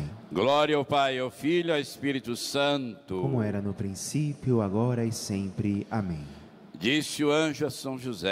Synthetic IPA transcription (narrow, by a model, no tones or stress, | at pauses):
ɡlɔɾiɐwpajawfiʎaespiɾit̪ʊsɐ̃nt̪ʊkomʊɛɾɐnʊpɾĩsipjʊaɡɔɾɐɪsẽpɾɪamẽj̃ | d͡ʒisɪʊɐ̃ʒʊɐsɐ̃w̃ʒuzɛ